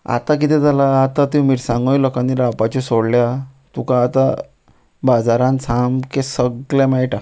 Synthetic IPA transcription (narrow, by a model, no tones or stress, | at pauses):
a̰t̪ak̬it̪ɛ̃d͡z̪alaːt̪at̪ĩmiɾsãŋɡõiləkaniɾapat͡ɕɔsoɽlja | t̪ukãːt̪a | bad͡zaɾãnsʰamkesəɡlɛ̃majʈa